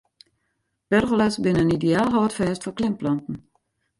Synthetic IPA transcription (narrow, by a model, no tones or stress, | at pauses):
b̥ørɣəlasbɪnəənideaːlˠɦɔːtfɛːstfɔklɪmplɔntn̩